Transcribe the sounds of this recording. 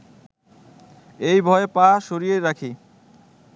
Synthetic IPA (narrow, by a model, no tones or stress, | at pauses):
ejbʱɔepaʃoɾieɾakʰi